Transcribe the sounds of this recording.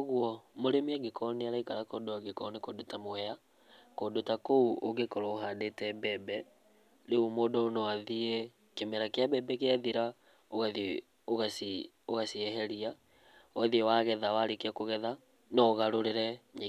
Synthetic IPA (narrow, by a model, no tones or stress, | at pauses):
ɣwɔmoɾemiaɡekʰɔneaɾaikaɾakodoaɣekɔnekodotamwɛja | koːdotakouoɣekɔɾɔoɦadetɛbɛbɛ | ɾeumoːdɔonɔwaðie | kemɛɾakeabɛbɛkeaðiɾa | oɣaði | oɣasi | oɣasiɛɦɛɾia | waðiɛwaɣɛðawaɾekakoɣɛða | nɔɣaɾoɾeɾɛɲe